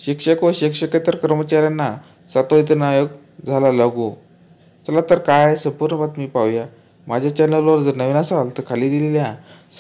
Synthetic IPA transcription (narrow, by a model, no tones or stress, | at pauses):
ɕikʂəkoɕikʂəket̪əɾkəɾmət͡ɕaɾjanːa | sat̪oit̪ənajoɡ | d͡zʱalalaɡũ | t͡səlat̪əɾkaesəmpuɾɳəbat̪miːpaʋja | mad͡ʑʱjat͡ɕanəloɾd͡zəɾnəʋinasalt̪əɾkʰaliːd̪ilelja